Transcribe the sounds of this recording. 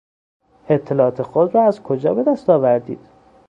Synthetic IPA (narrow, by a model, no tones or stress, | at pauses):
et̪ʰːe̞lɒːɒːt̪ʰexod̪rɒːæzkʰod͡ʒɒ̰ːbe̞d̪æst̪ɒːvæɾd̪ḭːd̪̥